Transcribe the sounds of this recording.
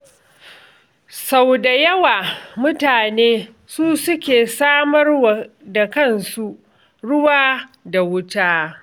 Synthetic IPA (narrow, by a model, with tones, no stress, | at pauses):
sa˨wda˨jɐ˦waː˨mʊ˦taː˨neː˦ | suː˦sʊ˦kʲeː˨saː˦mɐ˦rw | da˨kɐ˦˨nsu˦ʔ | ɽʊ˦waː˦da˨wʊ˦taː˦